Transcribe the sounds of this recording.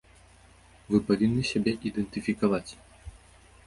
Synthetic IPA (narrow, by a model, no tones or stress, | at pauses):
vɨpavʲinːɨsʲabʲɛʔid̪ɛnt̪ɨfʲikavat͡sʲ